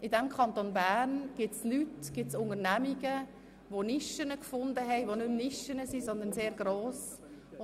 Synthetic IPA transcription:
ʔɪdɛmkʰχɑnt̪onbæːnɡ̥ɪtslytɡ̥ɪtsʊŋəɾnæmiɡə | ʋonɪʃənəkfʊnd̪əɦɛɪʋonʏmnɪʃənəsisɔnd̪ənseːɾɡɾoːs

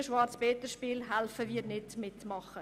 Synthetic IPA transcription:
əʃʋɑɾt͡sbeːt̪əʃpiːlɦælfəʋiːɾnɪtmɪtmɑχə

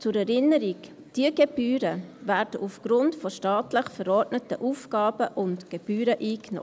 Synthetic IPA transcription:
t͡sʊɾɛɾɪnəɾik | d̥iəɡɛb̥yːɾəvæːɾd̥əʔufɡ̥ɾʊntfɔʃtɑːtləχfəɾɔɾdnətəʔuːfɡ̥ɑːb̥əʔʊntɡ̥eb̥yːɾəʔiːkno̰

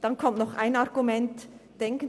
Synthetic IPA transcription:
d̥ɑnkʰɔmt̪nɔχæ̰ɪnɑɾɡumɛntd̥ɛŋkən

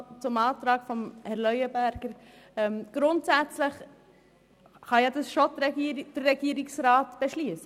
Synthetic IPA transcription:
t͡sʊmɑːt̪ɾɑːkfɔmhɛɾlœʏəbæɾɡ̥əɾ | ɛmɡ̥ɾʊntsæt͡sləχ | χɑjɑdɑsʃodɾɛid̥əɾːɛɡ̥iːəɾɪksɾɑːtb̥eʃliəsə

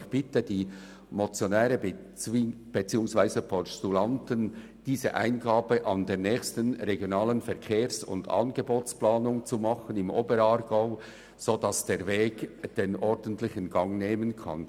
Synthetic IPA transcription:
çb̥ɪtədiː | mot͡sjonɛːɾəb | b̥et͡siːʊŋsvaɪzəpʰɔstulɑntən | d̥iːzə̰ʔa̰ɪnɡɑːbəʔɑndeːʁnɛːçstənɾeɡjonɑːlənfɛɐkʰeːɾsʊ̰ndɑ̰nɡəboːt͡splɑːnʊŋt͡sumɑχənɪmʔoːbəɾɑɾɡ̥aʊ | z̥odɑsd̥eːɾveːɡ̥d̥enʔɔɾd̥ən̩tlɪçənɡɑŋneːmənkʰɑ̰n

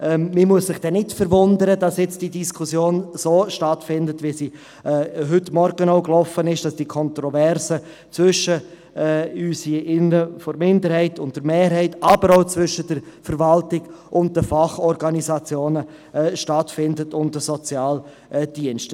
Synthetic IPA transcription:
ʔɛmimuəssɪχd̥ɛnɪtfəɾvʊndəɾədɑsjɛt͡sd̥idiskʰusjoːnsoːʃtɑtfɪndətvʋisi | ɦʏtmɔɾɡənoʊklɔfənɪʃd̥ɑsd̥ikʰɔntɾɔvɛɾsə | t͡svʏʃəː | yːsiɪnəfɔɾmɪndəɾhɛɪtʊnt̚d̥əɾmeːɾɦɛɪtɑbəɾoʊt͡svʏʃəd̥əɾfəɾvɑltɪɡ̥ʔʊnt̚d̥əfɑχɔɾɡɑnizɑt͡sjoːnə | ɛʃtɑtfɪndətʊntdəsɔt͡sjɑːl | d̥iənʃt

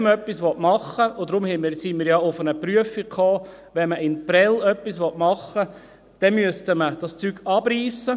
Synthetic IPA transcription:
məœpːisʋɔtmɑχːəʊd̥̪ɾʊmhɛmɪɾsimɪːɾjɑʊfənəpryəfikʰoː | ʋɛnməʔɪnpɾɛlœpːisʋɔtmɑχːə | d̥ɛnmyəstəməd̥ɑst͡syɡ̥ɑb̥ɾiːsə

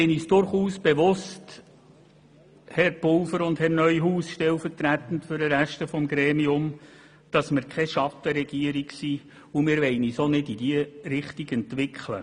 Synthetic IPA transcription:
ɪniːsd̥ʊɾχuːsb̥eʋʊst | hɛɾpʊlfəɾʊndhɛɾnœʏɦuːsʃtɛlfərtɾæt̪ən̩tfʏɾəɾæʃtəfɔmɡɾɛːmiʊm | d̥ɑsmɪɾkʰɛʃɑtəɾɛɡ̥iəɾiksiː | umɪːɾʋɛɪnisonɪdidiəɾɪχtiɡɛntʋɪkχlə̰

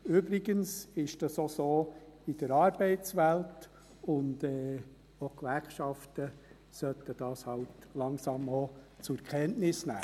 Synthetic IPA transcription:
ʏbɾɪɡənsɪʃd̥ɑsosoːid̥əɾɑːɾbɛɪt͡sʋælt | ʊndɛː | okʋæɾχʃɑftə | sœtːəd̥ɑːshɑltlɑŋsɑmɔ | t͡sʊkʰɛntnɪsnæ̰ː

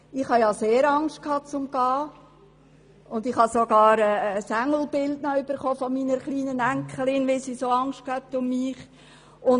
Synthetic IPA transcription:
ɪχhɑjɑseːɾɑŋst̚kʰhɑːt͡sʊmɡ̥ɑː | ʊndɪχhɑsoɡ̥ɑːɾɛsæŋl̩ˠb̥ɪldnɔyb̥əɾχoːfɔmiːnəɾχliːnənæŋkʰχəlɪnʋɪsisoɑŋʃtkhɛp̚tʊmːiːχ | ʊn

